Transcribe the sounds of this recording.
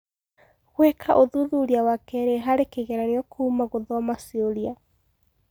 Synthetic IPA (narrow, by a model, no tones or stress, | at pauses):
ɣwekʰaʔoðuðuɾiawakɛɾeɦaɾekeɣɛɾaniɔkʰuːmaɣoðɔɔmasioɾia